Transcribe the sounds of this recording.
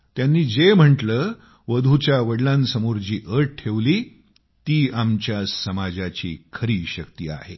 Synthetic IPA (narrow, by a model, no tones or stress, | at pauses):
t̪janːiːd͡zem̤əɳʈləː | ʋəd̪ʱut͡ɕjaʋəɽlãnsəmoɾd͡ʑiːʔəɾʈ̚ʈʰeʋliː | t̪iːamt͡ɕjasəmad͡zat͡ɕḭːkʰəɾiːɕəkt̪iːa̰he